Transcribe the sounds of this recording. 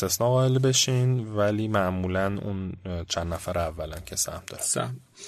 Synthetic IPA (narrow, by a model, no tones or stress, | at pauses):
st̪e̞snɒːɣɒːelbe̞ʃiːnvæliːmæʔmuːlænṵnt͡ʃʰænd̪ːæfæɾævːælæmcʰesæ̰hmd̪ɒɾe